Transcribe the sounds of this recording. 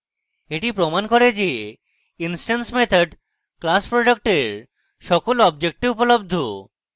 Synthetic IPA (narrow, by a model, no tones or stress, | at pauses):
eʈipɾomankoɾed͡ʑe | insʈansmet̪ʰaɖ | klaspɾoɖak̚ʈeɾ | ʃɔkolɔbd͡ʑek̚ʈiupolob̚d̪ʱo̰